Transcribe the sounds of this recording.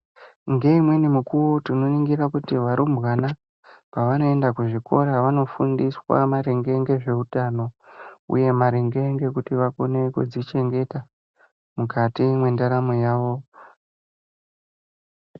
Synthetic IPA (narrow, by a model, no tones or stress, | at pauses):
ŋɡe̞imwe̞nimukuwotino̞iŋɡiɾakutiʋaɾumbwana | paʋano̞e̞ndakuʐiko̞ɾaʋano̞fundiswa̰maɾeŋɡe̞ŋɡe̞ʐe̞utano̞ṵje̞maɾeŋɡe̞ŋɡe̞kutiʋakone̞kud͡zit͡ʃe̞ŋɡe̞ta | mukatimwendaɾamojaːʋo̞